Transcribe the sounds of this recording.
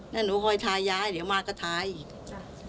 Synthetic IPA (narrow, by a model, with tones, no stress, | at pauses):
naː˥˩nuː˨˦kʰɔː˧jt̪ʰaː˧jːaː˦˥jd̪i˨˦əwmaː˧kɔː˥˩t̪ʰaː˧j